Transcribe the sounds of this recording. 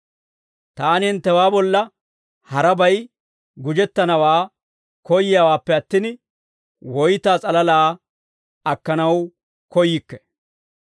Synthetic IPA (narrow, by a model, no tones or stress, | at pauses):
t̪aːnhɪnt̪ːɛwaːbɔlːɐ | hɐɾɐbɐj | ɡʊd͡ʒɛt̪ːɐnɐwaː | kɔjɪjawaːpːɛɐt̪ːɪn | wɔjt̪aːt͡sʼɐlɐlaː | ɐkːɐnɐw | kɔjɪkːɛ̥